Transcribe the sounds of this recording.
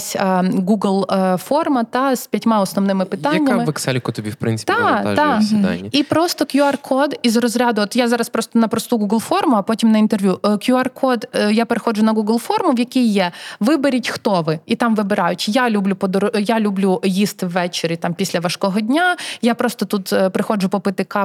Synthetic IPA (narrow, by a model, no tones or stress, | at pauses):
sʲɡuɡlˠfɔrmɐt̪ɑspʲɐtʲmaɔsnɔʋnɪmɪpɪt̪aɐnʲːamɪʋɛksɛlʲkɐt̪ɔbʲḭwpɾɪ̰nɪ̥t̪ʲaa̰ʒd̪ɑsʲid̪a̰nʲːipɾɔst̪ɔkjuɐrkʰɔd̪izrɔzɾʲad̪ʊɔt̪jazɑɾɐspɾɔst̪ɔnɐpɾɔst̪uɡuɡlˠfɔrmʊɐpɔtʲimnɐint̪erʋʲjukjuɐrkʰɔd̪japeɾexɔd͡ʒʊnɐɡuɡlˠfɔrmʊwjɐkʲijːɛʋɪbeɾʲitʲxt̪ɔʋɪit̪ɑmʋɪbɪɾɑjʊtʲjalʲublʲupɔd̪ɔɾɔjalʲublʲujist̪ɪwːɛt͡ʃeɾʲit̪ɑmpʲisʲlʲɐʋɐʃkɔɦɔdʲnʲajapɾɔst̪ɔt̪ut̪pɾɪxɔd͡ʒʊpɔpɪt̪ɪkɑ